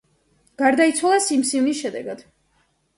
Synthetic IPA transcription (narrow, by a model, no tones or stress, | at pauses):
ɡ̥aɾd̪ait̪sʰwalˠasimsivnisʃɛd̪ɛɡad̪̥